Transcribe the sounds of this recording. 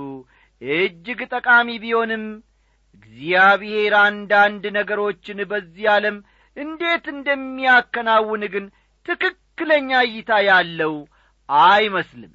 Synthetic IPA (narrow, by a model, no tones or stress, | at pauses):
ʔɨd͡ʒːɪɡt̪ʼəkʼamibiho̞nɨm | ɨɡzijaβɪhe̞ɾand̪and̪nəɡəɾo̞t͡ʃːɪnbəzːijaləm | ʔɨnd̪e̞t̪ɨnd̪əmːijakːənawːɨnɡɨn | t̪ʰɨkɨkːɨləɲːajɪt̪ʰajalːəw | ʔajməslɨm